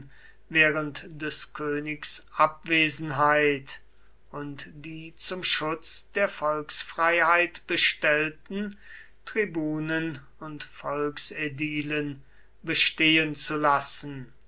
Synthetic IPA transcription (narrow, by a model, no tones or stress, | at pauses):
veːʁəntd̥ɛskʰøːnɪksʔap̚veːzn̩ɦaɪt | ʊntd̥iːt͡sʊmʃʊt͡sd̥eːɐfɔlksfʁ̥aɪhaɪtb̥əʃtɛltn̩ | tʁ̥ibuːnən | ʊntfɔlksediːlən | bəʃteːənt͡sulasn̩